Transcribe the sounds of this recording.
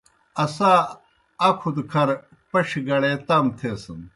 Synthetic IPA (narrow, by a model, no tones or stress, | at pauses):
ɐsaː | ɐkʰud̪kʰɐɾ | pɐʂiɡɐɽet̪aːmt̪ʰeːsɐn